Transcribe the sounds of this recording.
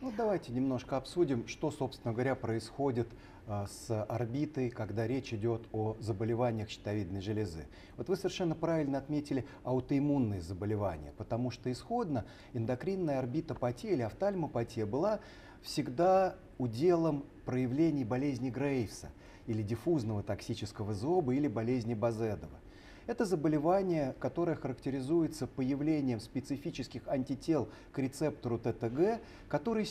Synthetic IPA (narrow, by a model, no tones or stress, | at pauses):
vot̪d̪ɐvajtʲɪnʲɪmno̞ʂkəɐpsudʲɪmʂt̪o̞so̞pst̪ʲɪnəɡəvɐɾʲapɾəɪsxo̞dʲɪt̪ | sɐrbʲit̪əjkɐɡd̪aɾʲet͡ɕɪdʲo̞t̪ʰozəbəlʲɪvanʲɪjəxɕɪ̥t̪ɐvʲid̪nəjʐɨlʲɪzɨ̰ | vo̞t̪vɨsəvʲɪrʂɛnːəpɾavʲɪlʲnəɐt̪mʲetʲɪlʲɪ | ɐʊt̪əɪmunːəjəzəbəlʲɪva̰nʲɪ̰jəpət̪ɐmuʂt̪oɪsxo̞d̪nə | ɪnd̪ɐkɾʲinːəjəɐrbʲit̪əpɐtʲeɪlʲɪɐft̪alʲməpɐtʲejəbɨlˠa | fsʲɪɡd̪a | ʊdʲe̞lˠəm | pɾəjɪvlʲenʲɪjbɐlʲezʲnʲɪɡɾejfsə̰ | ilʲɪdʲɪfuznəvət̪ɐksʲit͡ɕɪskəvəzo̞bəilʲɪbɐlʲezʲnʲɪbɐzɛd̪əvə̰ | ɛt̪əzəbəlʲɪvanʲɪjəkɐt̪o̞ɾəjəxəɾəktʲɪɾʲɪzujɪt̪səpəjɪvlʲenʲɪjəmspʲɪt̪sɨfʲit͡ɕɪskʲɪxɐnʲtʲɪtʲe̞lˠ | kɾʲɪt̪sɛpt̪əɾʊt̪ɛt̪ɛɡɛ | kɐt̪o̞ɾɨj